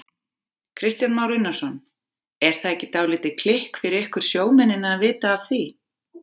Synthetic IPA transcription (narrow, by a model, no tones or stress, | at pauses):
kʰɾɪst̪janmaːwɾinːasɔn | ɛɾ̥θaðɛcːɪt̪aːwlɪːt̪ɪkʰl̥ɪhkfɪɾɪɾɪhkʏɾ̥sjoːwmɛnːɪnaːðvɪːt̪aːvθi